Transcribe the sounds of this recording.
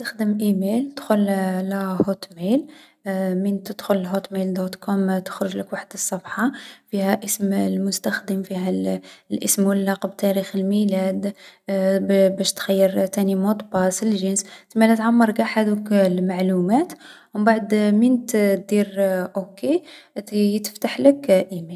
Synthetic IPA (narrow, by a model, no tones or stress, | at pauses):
t̪əxd̪əmʔimelt̪xʊllhot̪mel | mint̪əd̪xʊləlɦot̪meld̪ot̪kʰɔmt̪ə̥xɾʊʒləkwaħəd̪əsˤːɑbħɑfihæʔəsmlmʊst̪æxd̪əmfiɦælʔəsmwəlːɑqb̚t̪æɾixəlmilæd̪ | bæʃt̪xæjːəɾt̪ænimot̪bɑsəlʒənst̪mælæt̪ʕamːɑɾˤɡæħad̪uklmaʕlumæt̪ | wmbaʕd̪mint̪t̪d̪iɾʔoke | jt̪ə̥ft̪aħləkʔimel